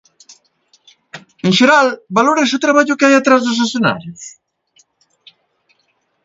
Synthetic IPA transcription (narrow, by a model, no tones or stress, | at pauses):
eŋʃeɾalbaloɾesut̪ɾaβaʎʊkeajat̪ɾazðosasjona̰ɾjos